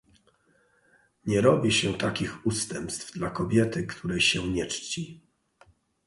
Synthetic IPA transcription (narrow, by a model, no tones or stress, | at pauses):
ɲɛɾɔbʲiɕɛt̪akʲixust̪ɛmpst̪vd̪lakɔbʲjɛt̪ɘkt̪ʰuɾɛjɕɛɲɛt͡ʂt͡ɕi